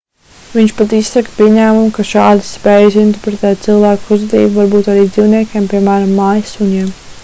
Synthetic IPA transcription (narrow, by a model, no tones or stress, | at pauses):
ʋiɲt͡ʃpat̪issakpiɛɲæːmumkaʃɑːd̪ispɛːjs̬int̪ɛɾpɾɛt̪ɛːt̪t̪sɨlˠvæːkuzt̪ḭːvvaɾbuːt̪aɾiːd̪ziːwniɛkʲeɛmpiɛmæːɾamːaːjsuɲiɛm